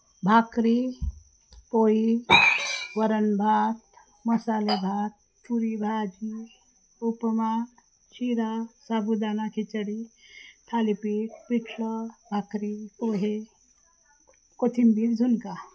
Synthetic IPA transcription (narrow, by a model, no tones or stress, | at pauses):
bʱakɾi | poɦi | ʋəɾənbʱat̪ | məsaːlebʱaːt̪̚ | pʰuɾibʱad͡ʒi | upəma | t͡ʃʰiɾasabʱud̪anakʰit͡ʃəɽit̪ʰalipiʈpiʈʰləbʱakɾipoɦe | kot̪ʰimbiɾd͡ʒʱunka